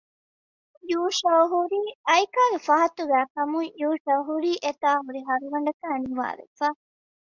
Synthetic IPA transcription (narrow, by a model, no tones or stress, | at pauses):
juːʂɐwɦuɾiːɐjkaːɡefɐɦɐt̪uɡæːkɐmujuːʃɐwɦuɾiːʔet̪aːɦuɾiɦɐɾuɡɐɳ̆ɖɐkæːniʋa̰ːɾḛfaː